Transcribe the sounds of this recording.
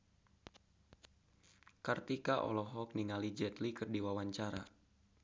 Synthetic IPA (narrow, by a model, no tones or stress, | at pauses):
kərt̪ikaʔɔ̰lɔɦɔk̚niŋalid͡ʒɛt̪likɨrdiwawaɲt͡ʃaɾa̰